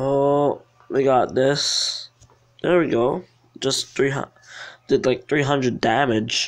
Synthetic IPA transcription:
o | wiɡɑt̪̚ðɪs | ðɛ˞wiɡoʊ̥ | ʒ̥ʌsθɹiɦʌ̰ | d̥ɨdlaɪk̚θɹiɦʌ̃ndɹɨdæmɪdʒ̥

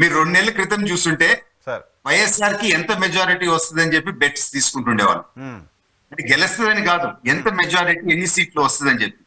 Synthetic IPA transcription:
miːɾuɾoɳɖunɛːlːɐkɾit̪ɐmt͡ʃuːsuɳʈe̞ː | ʋɐjːesaːɾkiɛnt̪ɐmed͡ʒaːɾiʈiʋɐst̪ɐd̪ɐnt͡ʃe̞p̬ːibeʈst̪iːsu̥kuɳʈuɳɖḛːʋa̰ɭːu | ɐʈiɡɛlɐst̪ɐʋɐnikaːd̪uɛnt̪ɐmɛd͡ʒaːɾiʈiːenːisiːʈluʋɐst̪ɐd̪ɐnt͡ʃe̞pːi̥

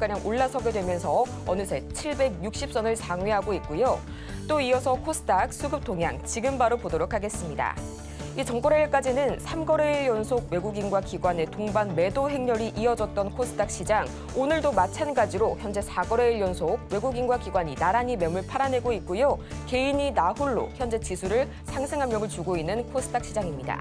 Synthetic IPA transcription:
k͈ɯɲaŋoɭːasʰʌɡe̞dwe̞mjʌnsʰʌ | ʌnɯsʰe̞t͡ɕʰiɭbe̞ɡ̚juk̚ɕ͈ip̚s͈ʌnɯɭsʰaŋweɦaɡoit̚k͈ujo | t͈oiʌsʰʌkʰos͈ʰɯ̥tʰak̚s͈ʰuɡɯp̚t͈ʰoŋɦja̰ŋt͡ɕiɡɯmbaɾopodoɾokʰaɡe̞s͈ɯmɲida̰ | it͡ɕʌŋk͈oɾeɭk͈ad͡ʑinɯnsʰamɡʌɾe̞ɭjʌnsʰoɡ̚we̞ɡuɡinɡwakiɡwane̞toŋbanme̞doɦe̞ŋɲʌɾiʔiʌd͡ʑʌt̚t͈ʌnkʰos͈ʰɯ̥tʰak̚ɕ͈id͡ʑaŋ | onɯɭdomat͡ɕʰanɡad͡ʑiɾoçjʌnd͡ʑe̞sʰaɡʌɾe̞jʌnsʰoɡ̚we̞ɡuɡinɡwakiɡwaɲinaɾaɲimemuɭpʰaɾanɦe̞ɡoit̚k͈ujoke̞iɲinaɦuɭːo̰çjʌnd͡ʑe̞t͡ɕisʰuɾɯɭ | sʰaŋsʰeŋɦamjʌɡɯɭt͡ɕuɡoinːɯnkʰos͈ʰɯ̥tʰak̚ɕ͈id͡ʑaŋimɲida̰

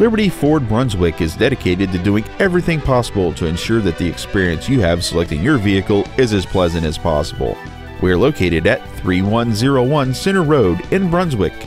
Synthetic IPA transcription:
lɪbəɾifɔɹd̚bɹʌ̃nzwɪkɨzdɛɾɨkʰeɪɾɨd̚tɨdʉɪ̃ŋɛvɹiθɪ̃ŋpʰɑsəbl̩ˠtʰɨɨ̃nʃʊɹðɨt̪̚ðiɨkspɪɹiɨ̃nsjɨɨv̥səlɛk̚tɪ̃ŋjə˞viɨkl̩ˠɪzɨz̥pʰl̥ɛzɨ̃ñtɨz̥pʰɑ̰səb̰l̩ˠ | wiə˞loʊkʰeɪɾɨɾɨt̪̚θɹiwʌ̃nzɪɹoʊwʌ̃nsɪ̃nə˞ɹoʊɾɨ̃nbɹʌ̃nzwɪk

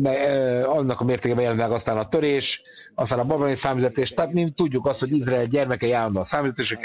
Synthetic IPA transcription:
mɛɒnːɒkɒmeːrt̪eːkɛbɛjɛlɛnilɛɡɒst̪aːnɒt̪øɾeːʃ | ɒst̪aːnɒbɒbɛlnisaːmizɛt̪eːʃt̪ɛaːt̪mit̪uɟːukɒst̪ho̞ɟizraɛlɟɛrmɛkɛiaːlːɒnd̪osaːmizɛt̪eːʃɛk

